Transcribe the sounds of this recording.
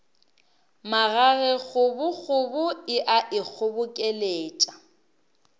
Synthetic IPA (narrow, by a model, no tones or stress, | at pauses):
maɣaɣɛɣʊbʊɣʊbʊɪʔaʔɪk͡xʰʊbʊkʼeleːt͡ʃʼa